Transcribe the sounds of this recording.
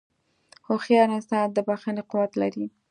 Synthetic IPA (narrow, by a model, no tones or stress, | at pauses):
hoxjɑnasɑt̪̚d̪əbaxaneqʊwat̪laɾi